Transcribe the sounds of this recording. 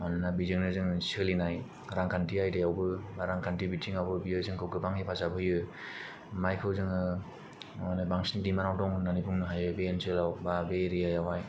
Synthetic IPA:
mannabizɯŋnɯzɯŋsɯlinaj | ɾaŋkʰantiajdejawbɯɾaŋkʰantibitʰiŋawbɯbijɯzɯŋkʰɯwkɯbaŋipʰazabɯjɯ | majkʰɯwzɯŋɯ | nɯbaŋsindimanawdɔŋnanipʰuŋnɯɦajɯbeensɯlawbabeɾijajawaj

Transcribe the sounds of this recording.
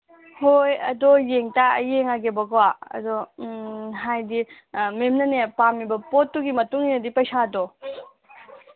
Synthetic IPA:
hojɐdɔjeŋtaɐjeŋaɡebɐɡowaɐ̰dɔ | ɦajdi | memnɐnepamibɐpotːuɡimɐtuŋinɐdipɐjsadɔ

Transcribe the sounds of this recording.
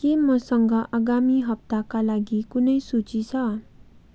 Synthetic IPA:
kimʌsʌŋɡʌʔaɡamiɦʌp̚t̪akalaɡikunʌjsut͡sit͡sʰʌ

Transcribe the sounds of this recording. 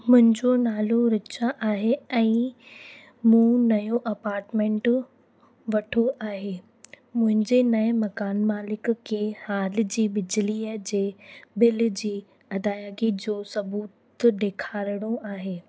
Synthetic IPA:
mʊ̃ɦɪ̃ɲd͡ʑonaːloɾɪt͡ɕʰaʔaːɦeɛ̃ː | mũːnɐjoʔɐpaːɾʈmẽːɳʈ | ʋɐʈʰoʔaːɦeː | mʊ̃ɦɪ̃ɲd͡ʑenɐmɐkaːnmaːlɪkkʰːeːhaːlɪ̆d͡ʑiːbɪd͡ʑɪliːəd͡ʑeːbɪl̆d͡ʑiː | ɐd̪aːjəɡid͡ʑoːsɐbuːt̪ | d̪eːkʰaːɾɪɽ̃oʔaːɦeː

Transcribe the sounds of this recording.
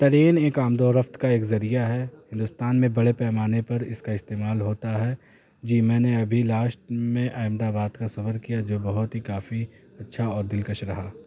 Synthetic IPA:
t̪ɐɾeːneːkaːmd̪ɔːɾɐft̪kaeːkzɐɾijaɦɛhɪ̃nd̪ʊst̪aːnmẽbɐɽepɛːmaːnepɐɾɪ̰skaɪst̪eːmaːlɦoːt̪aɦɛ | d͡ʒiːmɛ̃ːneɐbʱilaːʃʈmẽʔaːɪmd̪aːbaːd̪kasɐfəɾkijad͡ʒoːbɐɦʊt̪ɦikaːfi | ɐtːʃʰaɔːɾd̪ɪlkəʃɾɐɦaː

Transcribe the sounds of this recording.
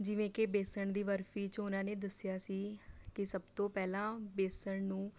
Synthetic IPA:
d͡ʒɪʋẽːkebeːsəɳd̪iːʋəɾfiːt͡ʃʊnãːneːd̪əsɪjaːsiːkɪsəbt̪õːpɛːlãːbeːsəɳnũː

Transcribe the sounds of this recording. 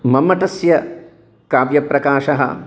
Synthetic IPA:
mɐmːɐʈɐsjɐ | kaːʋjɐpɾɐkaːʃɐɦɐ̰

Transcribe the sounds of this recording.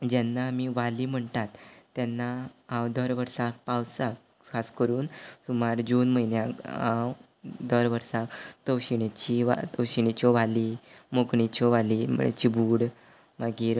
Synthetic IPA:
d͡ʑɛnːaːmiʋaliːm̤əɳt̪at̪ːjanːaãwd̪əɾʋəɾsak̚pawsak̚ | kʰaskəɾuːnsumaɾd͡ʑuːnməjnjakãw | d̪əɾʋəɾsakt̪əwɕiɳit͡ɕiʋa̰t̪əwɕiɳ̃it͡ɕɔʋaliːmoɡɳit͡ɕɔʋaliːm̤ə̰ɳḛt͡ɕibuːɽ | maɡiːɾ

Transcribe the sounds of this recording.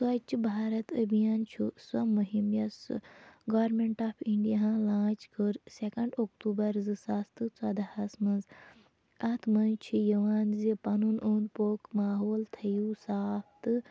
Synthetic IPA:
sɐt͡ʃʰibʱaːɾɐt̪ɐbijaːnt͡ʃʰuswɐmuɦimjɐsɡɐʋɐɾmeɳʈaːpʰiɳɖijaɦãlãːt͡ʃkʰɨɾsekɐɳɖokt̪uːbɐɾzɨsast̪ɨt͡sɐd̪ahɐsmɐnz | ɐt̪ʰmɐnt͡ʃʰijɐʋaːnzipɐnunuːnd̪poːkmaːɦoːlt̪ʰɐjuːsaːpt̪ɨ

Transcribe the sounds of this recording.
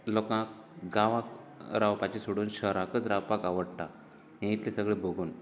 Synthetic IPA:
lɔkãk̚ | ɡãʋãkɾaʋpat͡ɕisoɽuːnɕəɦɾãkət͡sɾawpakaʋəɽt̪a | ɦẽit̪lẽsəɡɭebʱoɡuːn

